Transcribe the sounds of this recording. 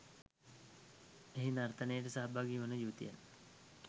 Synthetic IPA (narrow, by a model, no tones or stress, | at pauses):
eɦinart̪anəjəʈəsaɦbaɡiːʋənəjuːt̪ija̰n